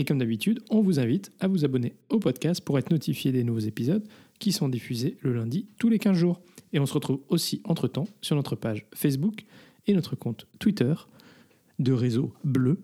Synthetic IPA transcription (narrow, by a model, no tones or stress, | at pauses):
ekɔmd̪abit̪yd̪ɔ̃vuzɛ̃vit̪avuzabɔneopɔd̪kʲast̪̚puʁɛt̪χnɔt̪ʰifjed̪enuvozepizɔd̪ | kʲisɔ̃d̪ifyzeləlɛ̃d̪it̪ulekʲɛ̃zʒuːʁeɔ̃səʁət̪χuvosiʔɑ̃t̪χət̪ɑ̃syʁnɔt̪χəpaʒfɛs̬buk | enɔt̪χəkɔ̃t̪ːwit̪œʁ | d̪əʁezoblø